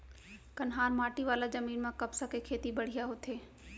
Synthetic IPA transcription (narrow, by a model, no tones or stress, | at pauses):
kɐnɦaːɾmaːʈiʋaːlazɐmiːnmãkɐbsakekʰeːt̪ibɐɽ̤ijaɦot̪ʰeː